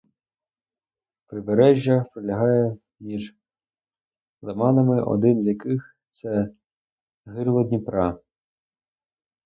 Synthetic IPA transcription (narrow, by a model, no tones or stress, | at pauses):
pɾɪbeɾɛʒʲːɐpɾelʲɐɦɑjɛ | mʲiʒ | zɐmɑnɐmɪʔɔ̰d̪ɪnzʲjɐkɪx | t̪sɛ | ɦɪrlˠɔd̪ʲnʲipɾɑ